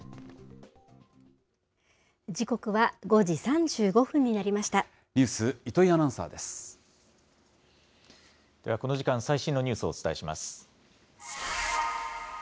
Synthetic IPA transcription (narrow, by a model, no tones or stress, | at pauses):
d͡ʑiko̞kɯ̟βaɡo̞ʑisãɲd͡ʑɨːɡo̞ɸɯ̟̃ɲ̟ːinaɾʲimaɕi̥t̪a | ɲʲɨːsɨit̪o̞ianãɰ̃sa̰ːd̪e̞sɨ̥ | d̪̥e̞βako̞no̞ʑikãɰ̃saiɕĩnːo̞ɲʲɨːsɨo̞ːt͡sɨ̥t̪ae̞ɕima̰sɨ̥